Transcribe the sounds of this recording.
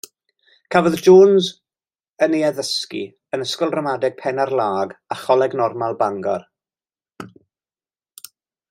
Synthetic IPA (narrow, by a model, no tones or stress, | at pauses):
kʰavɔðd͡ʒoːnz | əneaðəskḭ | ənəskɔlˠdramadɛɡ̥̚pʰɛnarlˠaːɡaχɔlˠɛɡnɔrmalˠbaŋɡɔ̰r